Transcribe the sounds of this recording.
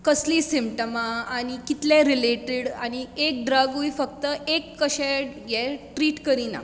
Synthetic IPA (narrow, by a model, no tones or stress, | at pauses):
kəslisimʈəmaaɽ̃ikit̪ljẽɾileʈeɽañiek̚ɖɾaɡujfək̚t̪əekːəɕɛjɛʈɾiːʈkəɾĩna̰